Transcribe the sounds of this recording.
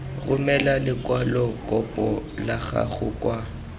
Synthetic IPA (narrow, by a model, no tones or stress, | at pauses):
ɣʊmɛlalɪkwalɔkʼɔpʼɔlaɣa̰ɣʊ̰kʼwa